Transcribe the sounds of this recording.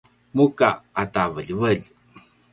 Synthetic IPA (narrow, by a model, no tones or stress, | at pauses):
mukaːtavəʎvəʎ